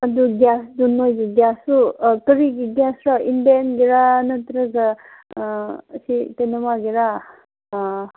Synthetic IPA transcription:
ɐd̪uɡʲjaːsd̪unojd͡ʒuɡjaːsukəɾiɡiɡjaːsɾɔind̪enɡiɾanɐt̪ɾɐɡa | sit̪enɐmaɡiɾa

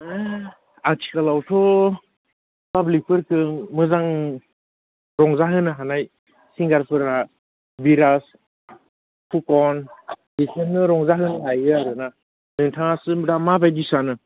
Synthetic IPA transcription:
a | atʰi̥kalawtʰɔ | pablik̚pʰɯɾkʰɯŋmɯzaŋ | ɾɔŋzaɦɯnɯɦanaj | siŋɡaɾpʰɯɾa | biɾas | pʰukɔnbisʰɯnːɯɾɔŋzaɦɯnɯɦajɯaɾɯna | nɯŋtʰaŋasɯmɾamabajdisanɯ

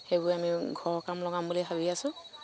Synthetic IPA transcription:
xejbʊɹamiɡʱɔɹkamlɔɡambuliɦabiasʊ̃

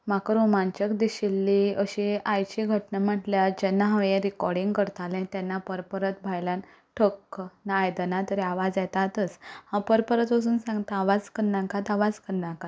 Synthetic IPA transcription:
makɾomãnt͡ɕəkd̪iɕilːiəɕiajt͡ɕiɡʱəʈnam̤əʈljad͡ʑɛnːaɦaʋẽɾikɔɾɖĩŋɡkəɾt̪alɛ̃t̪ɛnːapəɾpəɾət̪̚bʱajlan | ʈʰəkːnaːjd̪ənat̪əɾiaʋad͡zjɛt̪at̪əshãpəɾpəɾət̪əs̬uːnsãŋɡt̪aaʋad͡zkəɾnakat̪aʋad͡zkəɾnakat̪

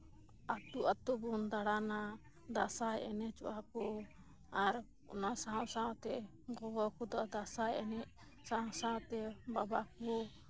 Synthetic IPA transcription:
at̪uʔat̪ubund̪aɽana | d̪asajɛnɛt͡ʃɔ̰ʔakɔ | aɾ | ɔ̰nasaɦɔ̃saɔ̃t̪ɛ | ɡɔɡɔkud̪ɔʔd̪asajɛnɛʔ | saãsãt̪ɛbabakɔ

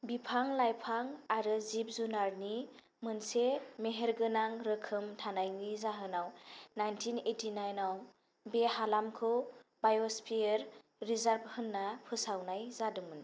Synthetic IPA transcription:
bipʰaŋlajpʰaŋaɾɯzip̚zunaɾni | mɯnsemeɦeɾɡɯnaŋɾɯkʰɯmtʰanajnizaɦɯnawnajntʰinetʰinajnaw | behalamkʰɯbajɔspʰieɾː | izaɾb̚hɯnːapʰɯsawnajzadɯŋɯn

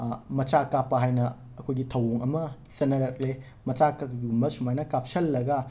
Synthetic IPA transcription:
mɐt͡ʃakapːɐɦajnɐ | ɐkʰojɡitʰɐwoŋɐmɐ | sɐnːɐɾɐk̚le | mɐt͡ʃakakɡɡumbɐsumajnɐkap̚sɐlːɐɡɐ

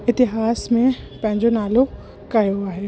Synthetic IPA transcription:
ɪt̪ɪɦaːsmẽpɐ̃ɦɪ̃ɲd͡ʑonaːlo | kɐjoaːɦe

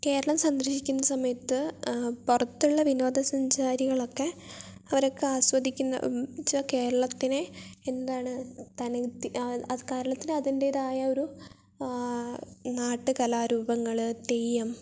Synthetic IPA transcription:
ke̞ːɾɐɭɐmsɐnd̪ɾɐɕikʲːunːɐsɐmɐjɐt̪ːɨpurɐt̪ːuɭːɐʋino̞ːd̪ɐsɐɲd͡ʑaːɾiɣɐɭo̞kːe̞ | ɐʋɐɾo̞kːeaːswɐd̪ʱikʲːunːɐ̰t͡ɕːɐke̞ːɾɐɭɐt̪ːineend̪aːɳɨt̪ɐniɐkeːɾɐɭɐt̪ːinɨɐðinde̞iðaːjɐo̞ɾu | naːʈːɨkɐlaːɾuːbɐŋːɐɭɨt̪ejːɐm

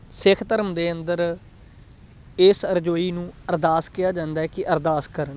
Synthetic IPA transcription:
sɪkʰt̪əɾəmd̪eːənd̪əɾ | ɪsəɾd͡ʒoːiːnũːəɾd̪aːskɪjaːd͡ʒãːnd̪aːɦɛːkɪʔəɾd̪aːskəɾəɳ

